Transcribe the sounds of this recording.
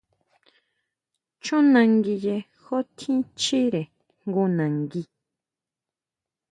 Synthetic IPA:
t͡ʃõ˦nã˧ŋɡi˧je˧ | xo˦t̪ʰĩ˦t͡ʃi˦ɾe˨ | ŋɡu˧nã˨ŋɡi˧

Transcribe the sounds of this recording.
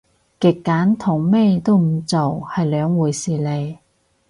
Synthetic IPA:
kɪ˨˩kːaː˨˥nt̪ʰʊ˨˩ŋmeː˥jt̪o˥wm̩˨˩t͡so˨whɐ˨jlœː˨˧ŋwuː˨˩jsiː˨˩le˨˧j

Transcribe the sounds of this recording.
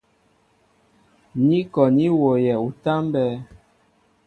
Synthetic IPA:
ɲi˦kɔ˨ɲi˦wo˨jɛ˨u˨ta˦mbɛː˦

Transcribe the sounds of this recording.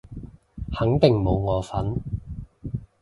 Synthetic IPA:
hɐ˨˥ŋt̪ɪ˨ŋmo˨˧wŋɔː˨˧fɐ˨˥n

